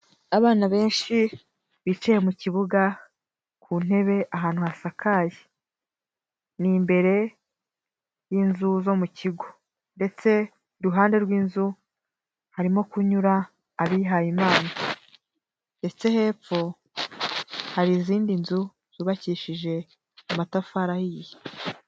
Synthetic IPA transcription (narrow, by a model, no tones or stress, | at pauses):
aβaːnaβe̞ːnʃi | βit͡ʃejemuciβuɡa | kʰuːn̥e̞βe̞ʔaɦaːn̥huhasakaːji | nimbe̞ɾe̞ | jiːnzuzo̞muciɡo̞ | nde̞t͡se̞ | ɾuɦaːnde̞ɾɡwiːnzu | haɾimo̞kuɲuɾaː | βiɦajimaːna | nde̞t͡se̞he̞ːp͡ffo̞ | haɾiziːndinzu | z̥uβaciːʃiʒe̞ | amatafaɾahije